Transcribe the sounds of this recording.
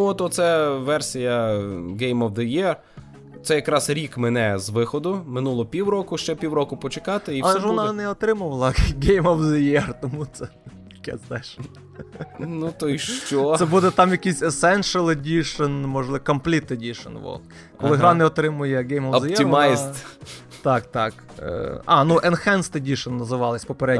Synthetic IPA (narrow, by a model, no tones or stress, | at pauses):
nuɔt̪ɔt̪sɛʋɛrsʲijɐɡɛjmɔwd̪ɪjɛr | t̪sɛjɐkɾɑsɾʲikmenɛzʋɪxɔd̪ʊmɪnulˠɔpʲiwɾɔkʊʃt͡ʃɛpʲiwɾɔkʊpɔt͡ʃɪkɑt̪ɪiɐlˠɛʒʋɔnɑnɛɔt̪ɾɪmʊʋɐlˠɐɡɛjmɔwd̪ɪjɛrt̪ɔmut̪sɛt̪ɐ̥kɛ̰sɛʃn | nut̪ɔiʃt͡ʃɔsɛbud̪ɛt̪ɑmjɐkisʲɐsɛnʃɐlˠɪdʲiʃɐnmɔʒlˠɪkɐmplʲit̪ːɪdʲiʃɐ̰nʋɔ̰lˠ | kɔlˠɪɦɾɑnɛɔt̪ɾɪmʊjɛɡɛjmɐwɔzɛimɑjst̪ | t̪ɑkt̪ɑk | ɑ̰nuʔɛnxɛnst̪ɪdʲiʃɐnːɐzɪʋɑlˠɪsʲpɔpeɾɛ